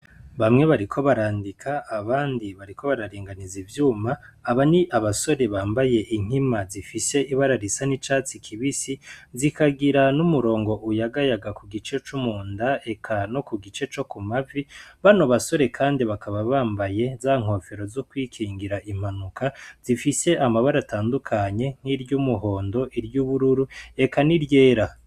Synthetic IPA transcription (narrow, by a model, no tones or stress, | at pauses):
βamŋe̞βaɾikʰo̞βaɾaːndikʰaːβaːndiβaɾiko̞βaɾaɾeːŋɡanizivjuːmaːβaniʔaβaso̞ɾe̞βaːmbaje̞ʔiŋ̥himazifise̞iβaɾaɾisanit͡ʃat͡sikʰiβisizikaɡiɾanumuɾo̞ːŋɡo̞ʔujaɡajaɡakuɡit͡ʃe̞t͡ʃumuːndae̞kʰano̞kuɡit͡ʃe̞t͡ʃo̞kumaviβano̞βaso̞ɾe̞kʰaːndiβakʰaβaβaːmbaje̞zaŋ̥ho̞ːfe̞ɾo̞zokwiːkʰiːŋɡiɾaʔim̥anukʰaz̥ifise̞ʔamaβaɾataːndukʰaɲe̞ŋ̥hiɾjumuɦo̞ːndo̞ʔiɾjuːβuɾuɾue̞kaniɾje̞ːɾa